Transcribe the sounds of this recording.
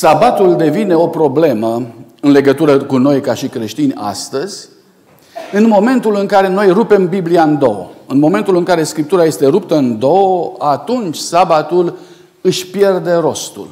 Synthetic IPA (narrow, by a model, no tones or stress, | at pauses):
sabat̪uld̪e̞vine̞o̞pɾo̞ble̞mə | ɨnle̞ɡət̪uɾəkuno̞jkaʃikɾe̞ʃt̪inʲa̰st̪əzʲ | ɨnmo̞me̞nt̪ulɨŋkaɾe̞no̞jrupe̞mbibliaɨnd̪o̞̰o̰ɨnmo̞me̞nt̪ulɨŋkaɾe̞skɾip̚t̪uɾajest̪e̞ɾupt̪əɨnd̪o̞at̪unt͡ʃʲsabat̪ul | ɨʃʲpje̞rd̪e̞ɾo̞st̪ṵl